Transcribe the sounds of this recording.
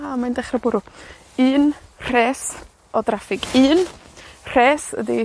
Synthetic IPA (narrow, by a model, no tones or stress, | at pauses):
amajndɛχrabʊɾʊ | ɨːnr̥ɛːs | ɔdrafɪɡɨːnr̥eːsə̰di